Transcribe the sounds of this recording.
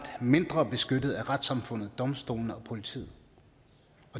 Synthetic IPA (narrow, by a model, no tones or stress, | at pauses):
d̥me̝nd̥ʁɐb̥e̝sɡ̥ød̥ð̞̩ˠæʁad̥sɑ̈mfɔ̽n̰ð̩ˠd̥ɒ̽msd̥o̝̰ːln̩ɒ̽pʰo̝lit͡sʰḭːð̩ˠ | ɒ̽